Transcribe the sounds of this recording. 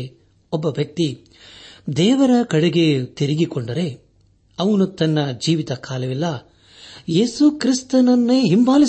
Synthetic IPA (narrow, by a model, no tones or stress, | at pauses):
ɔbːɐʋjɐk̚t̪i | d̪ɛːʋɐɾɐkɐɽeɡe̞t̪iɾiɡikoɳɖɐɾe̞ | ɐʋɐnut̪ɐnːɐd͡ʒiːʋit̪ɐkaːlɐʋilːɐ | jeːsukɾist̪ɐnɐnːeːɦimbaːli